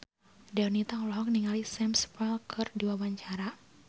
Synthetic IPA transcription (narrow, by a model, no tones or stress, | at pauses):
dɛɔnit̪aŋulɔɦɔk̚niŋalisɛmspɛlkʰɨrdiwawaɲt͡ʃaɾa